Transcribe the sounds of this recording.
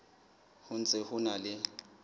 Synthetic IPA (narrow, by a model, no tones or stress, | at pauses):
hʊnt͡sʼɪhʊnalɪ